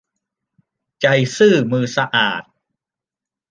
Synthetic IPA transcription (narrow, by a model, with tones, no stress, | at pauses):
t͡ɕa˧jsɯː˥˩mɯː˧sa˧ʔaː˨˩t̪̚